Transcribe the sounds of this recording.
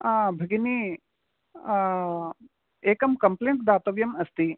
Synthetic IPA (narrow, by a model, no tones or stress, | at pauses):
abʱɐɡini | eːkɐmkɐmpleːɳʈd̪aːt̪ɐʋjɐmɐst̪i